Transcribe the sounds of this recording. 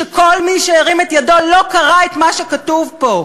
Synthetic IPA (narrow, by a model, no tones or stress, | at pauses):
eko̞lmiʃeːʁimetjado̞lo̞kaʁaet̪maʃekatuvpo̞